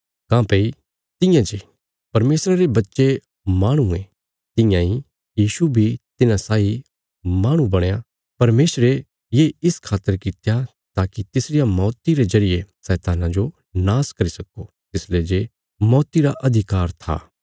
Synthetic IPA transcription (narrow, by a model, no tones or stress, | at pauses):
kãːpeːi | t̪ɪ̃jãd͡ʒe | pɐɾmeːsɾaɾebɐtːʃe | maːɽ̃ũẽ | t̪ɪ̃jãi | jiːʃubʱit̪ɪnãsaːi | maːɽ̃ũbɐɽ̃ja | pɐɾmeːsɾe | jeːɪskʰaːt̪ːəɾkɪt̪ja | t̪aːkit̪ɪsɾɪjamɔːt̪iɾezɐɾɪjesɛːt̪aːnãd͡ʒo | naːskɐɾisɐko | t̪ɪsled͡ʒe | mɔːt̪iɾaʔɐd̪ʱɪkaːɾt̪ʰa̰ː